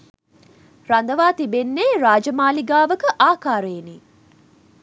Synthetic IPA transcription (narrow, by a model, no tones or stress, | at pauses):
ɾand̪əʋaːt̪ibenːeːɾaːd͡ʒəmaːliɡaːʋəkəʔaːkaːɾəeniː